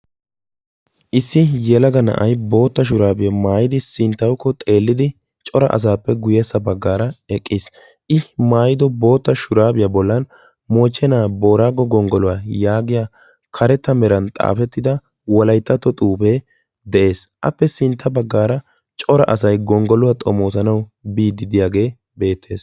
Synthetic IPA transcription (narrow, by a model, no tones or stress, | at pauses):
ʔɪsːɪjɛlɐɡɐnɐ̰ʔɐjbo̞ːt̪ːɐʃ̬ʊɾaːbɪjɐmaːjɪd̪ɪsɪnt̪ːɐwkːɔt̪ʼe̞ːlːɪd̪ɪ | t͡ʃʼɔɾɐ̰ʔɐ̰s̬aːpːɛɡʊjeːsːɐbɐɡːaːɾɐɛkʼːɪs | ʔɪmaːjɪd̪ɔbo̞ːt̪ːɐʃʊɾaːbɪjɐbɔlːɐn | moːt͡ʃːɛnaːbo̞ːɾaːɡɔɡɔŋɡɔlʊwajaːɡɪjaː | kʰɐɾɛt̪ːɐmɛɾɐnt̪ʼa̰ːfɛt̪ːɪd̪ɐ | wɔlɐjt̪ːɐt̪ːɔt̪ʼuːpeː | d̪ɛʔe̞ːsʔɐ̰pːɛsɪnt̪ʰːɐbɐɡːaːɾɐ | t͡ʃʼɔɾɐ̰ʔɐsɐjɡɔŋɡɔlʊwat̪ʼɔmo̞ːsɐnɐwbiːd̪ɪd̪ɪjaːɡe̞ː | be̞ːt̪ʰːe̞ːs